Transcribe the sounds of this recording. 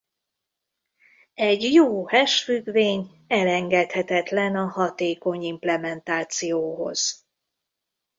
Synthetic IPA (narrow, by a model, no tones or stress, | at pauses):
ɛɟjoːhɛʃfyɡveːɲ | ɛlɛŋɡɛt̪hɛt̪ɛt̪lɛnɒhɒt̪eːko̞ɲimplɛmɛnt̪aːt̪sijoːɦo̰z̥